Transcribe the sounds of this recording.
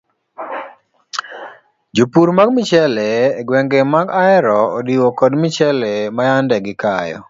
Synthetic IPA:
d͡ʒupuɾmaɡmɪt͡ʃɛlɛːɡwɛŋɡɛmaɡaɛɾɔodiwokɔdmɪt͡ʃɛlɛmajandɛɡɪkajɔ̰

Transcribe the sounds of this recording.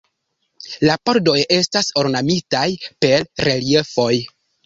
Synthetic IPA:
lapo̞ɾdo̞je̞staso̞ɾnamitajpe̞lɾe̞lie̞fo̞j

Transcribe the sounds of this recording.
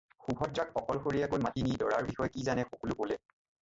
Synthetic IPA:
xubʱɔt̚zakxɔkɔlxoɹijakojmatinidɔɹaɹbixɔjkizanɛxokɔlʊkolɛ

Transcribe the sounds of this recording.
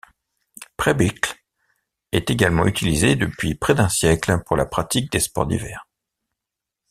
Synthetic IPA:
pχɛbikl | ɛt̪eɡalmɑ̃yt̪ʰilized̪əpɥipχɛd̪ɛ̃sjɛklpuʁla̰pχat̪ik̚d̪espɔ̰ʁd̪ḭvɛ̰ːʁ

